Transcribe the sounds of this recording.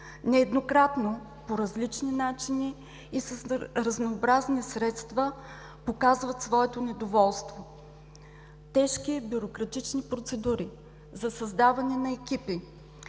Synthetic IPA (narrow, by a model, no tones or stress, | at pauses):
nɛːd̪nokɾat̪no | poɾɐzlit͡ʃninat͡ʃiniː | səsɾəznoːbɾaznisɾɛt̪st̪və | pokazvɐt̪svɔɛt̪onɛd̪ovɔlˠst̪vo | t̪ɛʃkibjuɾokɾɐt̪it͡ʃnipɾot̪sɛd̪uɾi | zɐsɐzd̪avɐnɛnɐɛk̟ipi